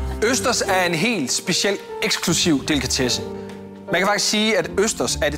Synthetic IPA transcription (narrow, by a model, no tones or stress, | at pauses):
øsd̥ɐsæɐe̝nɦe̝̰ːld̥sb̥e̝ɕiel̰d̥eɡ̥skʰlusiʊ̰d̥e̝lkʰæt͡sʰesə | mænkʰæfɑ̈ɡ̥i̥sɡ̥siːæd̥øsd̥ɐsæɐe̥